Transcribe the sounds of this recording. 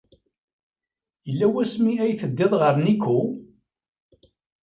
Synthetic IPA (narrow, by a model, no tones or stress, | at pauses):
jəlːæwæsmiæjθəd̪ːɪðˤʁəɾnikʰːu